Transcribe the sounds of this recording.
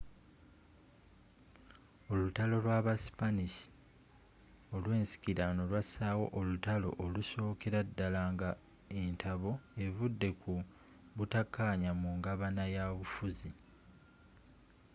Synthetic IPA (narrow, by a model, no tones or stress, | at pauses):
o̞lutalo̞lwaːβasi̥panisi̥ | o̞lwe̞ːnsi̥kiɾano̞lwasaːwo̞̰ʔolutalo̞̰ʔoluso̞ːkeɾadːalaːŋɡa | e̞ntʰaβo̞e̞vudːe̞ku | βutakʰːaɲamuŋɡaβanajaβufuzi